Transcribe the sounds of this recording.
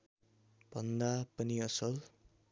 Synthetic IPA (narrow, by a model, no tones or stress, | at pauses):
bʱʌnd̪apʌniʌsʌl